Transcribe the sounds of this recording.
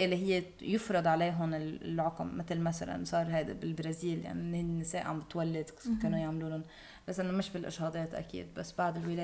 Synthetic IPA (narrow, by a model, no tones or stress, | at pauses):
ʔɪlːiɦɪjːe | jʊfɾˤɑd̪ˤʕaleːɦʊnɪl̰lʕʊqmːɪt̪lmasa̰la̰nsˤɑːɾˤɦajd̪a̰bɪlbɾaziːlja̰ʕniʔnːhɪnːɪseːʔʕambɪt̪walːɪd̪keːnujaʕmluːnʊn | basʔɪnːomɪʃbɪlʔɪ̰ʃhɑːd̪ˤeːt̪ʔa̰kḭːd̪basːbaʕd̪ɪlwɪleː